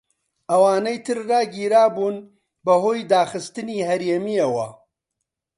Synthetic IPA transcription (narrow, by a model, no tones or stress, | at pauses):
ʔɐwaːnɐjt̪ʰɨɾːaːɡiːɾaːbuːn | bɐɦoːjd̪aːxɨst̪ɨniːhɐɾeːmijɐwɐ